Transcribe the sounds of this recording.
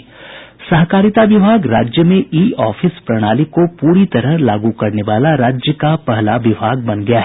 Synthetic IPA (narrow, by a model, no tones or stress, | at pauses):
sɐɦkaːɾɪt̪aʋɪbʱaːɡɾaːd͡ʒjəmẽʔiːɔːfɪspɾɐɽ̃aːlikopuːɾit̪ɐɾəɦlaːɡukɐɾneʋaːlaɾaːd͡ʒjəkapɐɦlaʋɪbʱaːɡ̚bɐnɡɐjaɦɛː